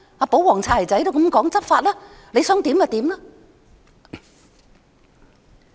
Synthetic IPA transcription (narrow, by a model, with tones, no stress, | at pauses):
aː˨˧po˨˥wɔː˨˩ŋt͡sʰaː˧˩lɐ˨˩jt͡sɐ˨˥jt̪o˥wkɐ˨˥mkɔː˨˥ŋt͡sɐ˥p̚faː˧t̚laː˥ | le˨˧jsœː˨˥ŋt̪iː˨˥ma˨˧t̪iː˨˥mlɐ˥